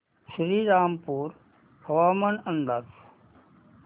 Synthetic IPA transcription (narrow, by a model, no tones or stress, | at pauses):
ʃɾiːɾaːmpuːɾ | hɐʋaːmənənd̪əɾ